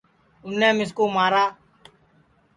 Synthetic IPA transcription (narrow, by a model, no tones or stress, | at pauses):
ʊnːẽːmɪs̬koːmaːɾaː